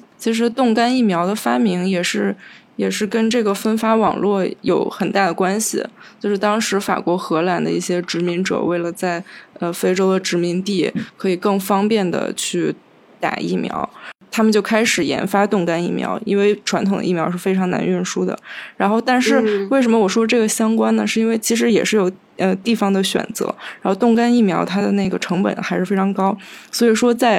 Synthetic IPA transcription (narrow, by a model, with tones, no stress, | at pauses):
t͡ɕʰi˧˥ʂ̬ɻ̩˧˥t̪ʊ˥˩ŋka˥ni˥˩mjɑ˧˥ʊd̪ə˧fa˥mi˧˥ŋjɛ˨˩ʂɻ̩˥˩jɛ˨˩ʂɻ̩˥˩kə˥nʈ͡ʂɤ˥˩ɡə˩fə˥nfa˥wɑ̰˨˩ŋlwɔ˥˩jo˨˧˩ʊxə˨˩nt̪a˥˩d̪ə˩kwa˥nɕḭ˨˩t͡ɕjo˥˧ʊʂɻ̩˥˩t̪ɑ˥ŋʂɻ̩˧˥fa̰˨˩kwɔ˧˥xɤ˧˥la˨˩nd̪ə̰˦i˥˩ɕjɛ˥ʈ͡ʂɻ̩˧˥mi˧˥ŋʈ͡ʂɤ̰˨˩we˥˩ɪlə˩t͡sa˥˩ɪə˧fe˥ɪʈ͡ʂo˥ʊd̪ə˨ʈ͡ʂɻ̩˧˥mi˧˥ŋt̪i˥˩kʰɤ˧˥i˨˩kɤ˥˩ŋfɑ˥ŋpjɛ˥˩nd̪ə̰˩t͡ɕʰy˥˩ | t̪a̰˨˩ḭ˥˩mjɑ̰˧˥ʊt̪ʰa˥mə˨nt͡ɕjo˥˩ʊkʰa˥ɪʂɻ̩˨˩jɛ̰˧˥nfa˥t̪ʊ˥˩ŋka˥ni˥˩mjɑ̰˧˥ʊḭ˥nwe˥˩ɪʈ͡ʂʰwa˧˥nt̪ʰʊ˨˩ŋd̪ə̰˦˧i˥˩mjɑ˧˥ʊʂɻ̩˥˩fe˥ɪʈ͡ʂʰɑ˧˥ŋna̰˧˥ny˥˩nʂu˥d̪ə̰˩ɻa˧˥nxo˥˧ʊt̪a˥˧nʂɻ̩˥˧we˥˩ɪʂ̬ə˧˥mə˧wɔ˨˩ʂwɔ˥ʈ͡ʂɤ˥˩ɡə˩ɕjɑ˥ŋkwa˥nnə˨ʂɻ̩˥˩i˥nwe˥˩ɪt͡ɕʰi˧˥ʂ̬ɻ̩˧˥jɛ̰˨˩ʂɻ̩˥˩jo˨˩ʊ | ə˧t̪i˥˩fɑ˨˩ŋd̪ə˨ɕɥɛ̰˨˩nt͡sɤ̰˧˥ɻa˧˥nxo˥˧t̪ʊ˥˩ŋka˥ni˥˩mjɑ˧˥ʊt̪ʰa˥d̪ə˨ne˥˩ɡə˩ʈ͡ʂʰɤ˧˥ŋpə̰˨˩nxa˧˥ɪʂɻ̩˥˩fe˥ɪʈ͡ʂʰɑ˧˥ŋkɑ˥ʊswɔ˧˥i˨˩ʂwɔ˥t͡sa˥˩ɪ